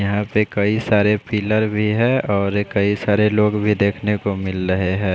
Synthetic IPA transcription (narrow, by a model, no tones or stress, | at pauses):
jɐɦãpekɐisaːɾepiːləɾbʱiɦɛ̃ɔːɾkɐisaːɾeloːɡbʱid̪eːkʰnekomɪlɾəɦeɦɛ̃ː